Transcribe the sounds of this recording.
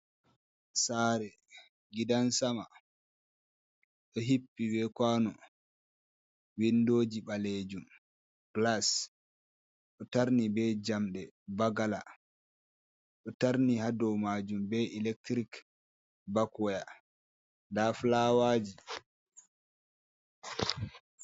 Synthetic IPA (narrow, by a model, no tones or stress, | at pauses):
saɾɛ | ɡidansama | ɗɔɦipːibɛkwanɔ | windoːd͡ʒibaled͡ʒum | ɡ̥las | ɗɔtaɾnibɛd͡ʒamɗɛbaɡala̰ | ɗɔtaɾnihadɔwmaːd͡ʒumbɛilɛk̚tɾik | bakɔja | ndaflaːwaːd͡ʒi